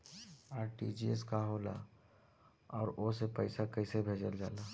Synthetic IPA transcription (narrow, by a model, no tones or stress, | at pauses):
aːɾʈḭd͡ʒieskaɦoːla̰ | ɔːɾosepəɪsakəɪsebʱeːd͡ʒəld͡ʒa̰ːlaː